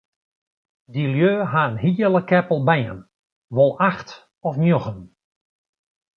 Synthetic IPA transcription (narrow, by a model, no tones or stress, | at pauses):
diljøːɦaənhiəlˠəkɛpəlˠbɛjə̰n | ʋɔlˠaxt | ɔfnjoɣən